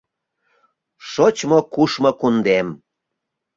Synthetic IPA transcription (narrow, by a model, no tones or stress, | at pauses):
ʃot͡ɕmokuʃmokund̪em